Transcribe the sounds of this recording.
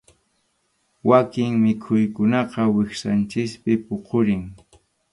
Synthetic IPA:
wakɪŋmɪkʰʊjkʊnɑqɑwɪχsant͡ʃɪspɪpoqʰoɾɪŋ

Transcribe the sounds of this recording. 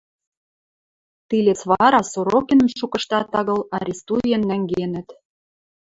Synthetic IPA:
t̪ilʲet͡sβɑɾɑsoɾokʲinə̆mʃukɤ̆ʃt̪ɑt̪ɑɣɤ̆lɑɾʲist̪uienːæŋɡenə̆t̪

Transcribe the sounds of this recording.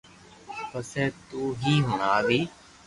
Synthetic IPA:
pəseːt̪uːɦiːɦʊɳ̃aːʋiː

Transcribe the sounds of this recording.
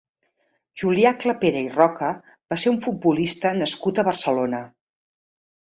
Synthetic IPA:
ʒuliakləpeɾəirɔkə | baseuɱfud̪̚bulist̪ənəskut̪əβərsəlonə

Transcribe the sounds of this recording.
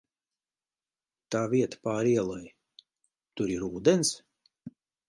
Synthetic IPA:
t̪aːviɛt̪ḁpaːɾiɛlˠɔj | t̪uɾiɾuːd̪ɛns

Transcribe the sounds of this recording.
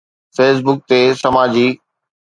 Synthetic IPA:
feːs̬bʊk̚t̪esɐmaːd͡ʑiː

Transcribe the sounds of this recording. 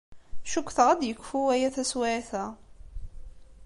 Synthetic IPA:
ʃukʷːθʁæd̪jəkːfuwæjæθæswaʕθæ

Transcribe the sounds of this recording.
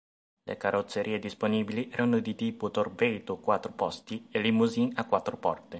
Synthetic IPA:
lḛkarot̪sːeɾʔiːed̪isponiːbiliʔɛːɾanod̪it̪iːput̪orbeːt̪okwat̪ːɾopɔst̪ielimuzinakːwat̪ːɾopɔ̰rt̪e

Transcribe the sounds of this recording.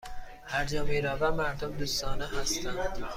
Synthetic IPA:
hæɾd͡ʒɒːmiːɾæːvæmæɾd̪omd̪uːst̪ɒːneɦæst̪ʰænd̪̥

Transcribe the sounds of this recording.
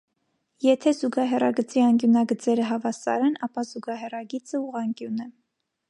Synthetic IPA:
jɛt̪ʰɛzuɡɑɦɛrɑɡət͡siɑŋkjunɑɡət͡sɛɾəɦɑvɑsɑ̰ɾɛnɑpɑzuɡɑɦɛrɑɡit͡səuʁɑŋkjunɛ

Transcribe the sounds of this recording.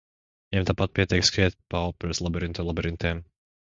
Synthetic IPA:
jɛmt̪apat̪̚pʲiɛt̪ɛkskɾɛt̪̚papɾɛslˠabɛɾint̪ɔlˠabɛɾint̪ɛːm

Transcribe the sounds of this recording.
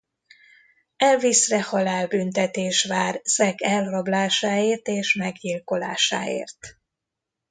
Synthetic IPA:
ɛlvisrɛhɒlaːlbynt̪ɛt̪eːʃʋaːrsɛkɛlːɒblaːʃaːeːrt̪eːʃmɛɡɟilko̞la̰ːʃa̰ːḛːrt̪

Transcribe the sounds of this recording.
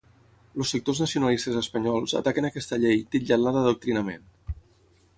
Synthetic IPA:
losək̚t̪oznəsiunalist̪əzəspəɲɔlˠzə̰t̪akənəkɛst̪əʎejt̪iʎalaðəðuk̚t̪ɾinəmḛn

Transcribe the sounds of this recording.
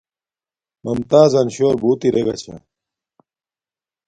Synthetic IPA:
mɐmt̪aːzɐnɕoːɾbuːt̪iɾeɡɐ̰t͡ɕʰa̰

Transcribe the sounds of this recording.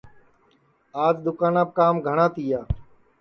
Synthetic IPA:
aːd͡ʒd̪ʊkaːnãːb̚kaːmɡʱəɳ̃ãːt̪iːjaː

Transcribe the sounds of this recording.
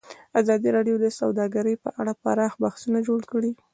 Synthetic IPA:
azɑd̪iɾɑɖjod̪əsawd̪ɑɡaɾəjpə̰ʔaɽapa̰ɾɑxbaxsunad͡ʒoɽkəɽi

